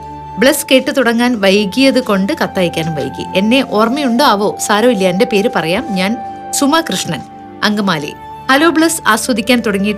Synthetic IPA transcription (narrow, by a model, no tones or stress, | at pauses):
bɭeskeːʈːɨt̪uɽɐŋːaːnʋɐjkːijɐðɨko̞ɳɖɨkɐt̪ːaːjikʲːaːnumʋɐ̰jkːḭʔenːe̞ʔoːrmijuɳɖoɐʋo̞ːsaːɾɐːilːjɐende̞pe̞ːɾɨpɐrɐjaːmɲaːnsumɐkrɨʂɳɐn | ɐ̰ŋɡɐmaːlḭ | hɐloːbɭesaːswɐd̪ikʲːaːnt̪uɽɐŋːijʈː